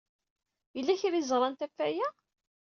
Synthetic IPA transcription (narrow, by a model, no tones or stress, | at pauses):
jəlːæçɾizˤʁɾˤɑnt̪æfːæjæ